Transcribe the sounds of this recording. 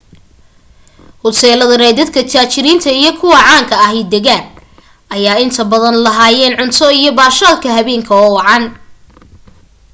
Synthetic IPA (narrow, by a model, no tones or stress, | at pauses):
hʊsɛːlɐðɐɾɛjd̪ɐd̪kʰɐt͡ʃʰaːt͡ʃɪɾiːnt̪ʰɐijɞkʰʊwɑʕɑːŋkʰɐɐɦɛjd̪ɛɣaːn | ʔɐjaːɪnt̪ʰɐbɐðɐnlɐɦaːjɛːnʕʊnt̪ʰɔijɞbaːʃaːlkʰɐɦɐβɛːŋkʰɐɔːwɑʕɑn